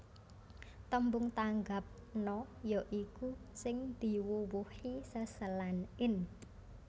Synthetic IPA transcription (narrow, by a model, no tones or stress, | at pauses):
t̪əmbʊŋt̪aŋɡap̚ | nɔjɔʔikusɪŋd̪̥i̤wuwuhisəsəlanɪn